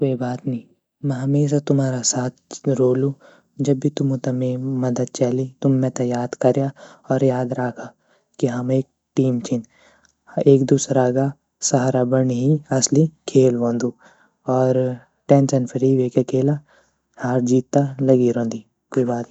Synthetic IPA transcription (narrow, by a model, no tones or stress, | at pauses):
koːibaːt̪nɐĩ | mɛ̃ɦɐmeːʃ̬at̪ʊmaːɾasaːt̪ʰɾoːlũ | d͡ʒɐbːit̪ʊmũt̪ɐmẽmɐd̪əd̪̚t͡ʃaːlit̪ʊmːɛ̃t̪ɐjaːd̪kɐɾjaɔːɾjaːd̪ɾaːkʰa | kiɦɐmeːk̚ʈiːmt͡ʃʰɪn | eːkd̪uːsɾaːɡa | sɐɦaːɾabɐnɦiɐslikʰeːlʋõːnd̪uː | ɔːɾ | ʈɛ̃ːnsɛnpʰəɾiʋeːkakʰeːla | haːɾd͡ʒiːt̪ːalɐɡiɾõːnd̪i | koːibaːt̪